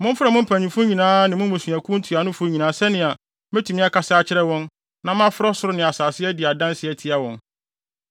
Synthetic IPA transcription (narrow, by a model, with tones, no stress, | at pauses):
mʊ̃˦m˦fɪ˦ɾɛ˨mʊ̃˦m̩˦pʰæ˨ɲĩ˨fʊ˦ɲĩ˨nãː˦nɪ̃˨mʊ̃˦m˦mʊ̃˨su˨æ˨kʰʊ̃˦n̩˦tʰu˨a˨nʊ̃˦fʊ˦ɲĩ˨nãː˨˦sɛ˦nɪ̃˨a˨ | mɛ̃˦tʰu˨mɪ̃˦a˦kʰa˨saː˦t͡ɕʰɪ˦ɾɛ˦wɔ̃˦n | nã˦m˦ã˦fɪ˦ɾɔ˦sʊ˦ɾʊ˦nɪ̃˨a˨saː˨sɪ˦ɛ˦dɪ˨a˨dã˦nsɪ˦ɛ˦tʰɪ˦a˦wɔ̃˨n